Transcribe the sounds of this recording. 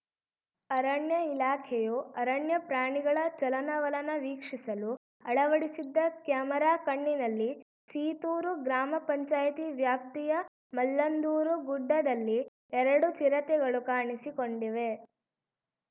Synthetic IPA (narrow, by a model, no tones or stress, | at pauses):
ɐɾɐɳjɐilaːkʰejuɐɾɐɳjɐpɾaːɳiɡɐɭɐt͡ʃɐlɐnɐʋɐlɐnɐʋiːkʂisɐlu | ɐɭɐʋɐɽisid̪ːɐkjaːmɐɾaːkɐɳːinɐlːi | siːt̪uːɾuɡɾaːmɐpɐɲt͡ʃaːjɐt̪iʋjaːp̚t̪ijɐ | mɐlːɐnd̪uːɾuɡuɖːɐd̪ɐlːi | ɛɾɐɽut͡ʃiɾɐt̪ɛɡɐɭukaːɳisikoɳɖiʋe̞